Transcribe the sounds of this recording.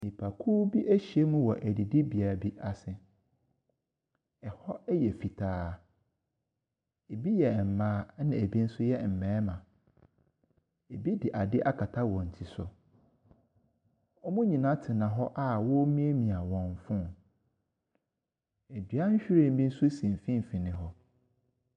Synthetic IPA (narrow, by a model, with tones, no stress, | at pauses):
mĩ˨pʰa˨kʰuː˦bi˦ʔæ˦ɕi˨e˦mʊ̃˦wɔ˨ʔæ˨di˨di˦bi˨a˨bi˦a˨sɪ˦ | ɛ˨hɔ˦ɛ˦jɛ˨fi˨tʰaː˦ | e˨bi˦jɛ˨m̩˨mãː˦nã˨e˨bi˦n̩˦sʊ˦jɛ˦m̩˨mɛ̃ː˨˦mã˨ | e˨bi˦dɪ˨ʔa˨dɪ˦ʔa˦kʰa˨tʰa˦wɔ̃˨n̩˨tʰi˨sʊ˨ | ɔ˦mũ˦ɲĩ˨nã˦tʰɪ˨nã˨ɦɔ˦ʔa˦˨wɔ˦mĩ˦e˦mĩ˨a˨wɔ̃˨m˨fʊ̃˦n | e˨dɥa˦ɲ̩˦ɕᶣi˦ɾe˦˨m̩˦bĩ˦n̩˦sʊ˦sĩ˨m˨fĩ˦m˨fĩ˨nɪ̃˨ɦɔ˦